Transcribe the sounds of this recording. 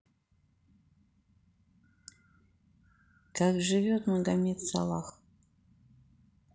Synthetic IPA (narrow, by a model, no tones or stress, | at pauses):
kakʐɨvʲot̪muɡ̪amʲet̪sa̰lˠax